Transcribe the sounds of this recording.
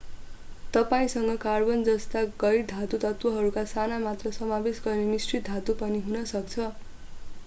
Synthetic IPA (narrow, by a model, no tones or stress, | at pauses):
t̪ʌpaĩsʌŋɡʌkarbʌnd͡zʌst̪aɡʌjɽd̪ʱat̪ut̪ʌt̪wʌɦʌɾukasanamat̪rʌsʌmabesɡʌrnemisʈrit̪̚d̪ʱat̪upʌniɦunʌsʌk̚t͡sʰʌ